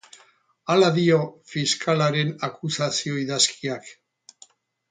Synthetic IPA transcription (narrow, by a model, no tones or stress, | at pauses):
alaðio̞fiskʰalaɾe̞nakusasio̞iðaskʰiak